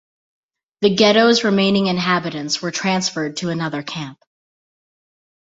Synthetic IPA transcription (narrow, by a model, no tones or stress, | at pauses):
ðɨɡɛɾoʊzɹɨmẽɪ̃nɪ̃ŋɨ̃nɦæbɨɾɨ̃ntswə˞tʰɹ̥æ̃nsfə˞d̚tʰɨːnʌðə˞kʰæ̃mp